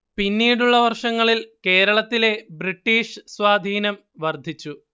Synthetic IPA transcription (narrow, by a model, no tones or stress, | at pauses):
pinːiːɽuɭːɐʋɐrʂɐŋːɐɭilke̞ːɾɐɭɐt̪ːile̞briʈːiːʂsʋaːd̪ʱiːnɐm | ʋɐrd̪ʱit͡ɕːu